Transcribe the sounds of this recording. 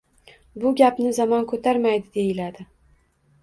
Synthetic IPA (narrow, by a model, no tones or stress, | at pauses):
bʊɡʲapnɪzamɒnkʰɵt̪ʰaɾmajd̪ɪd̪e̞jɪlad̪ɪ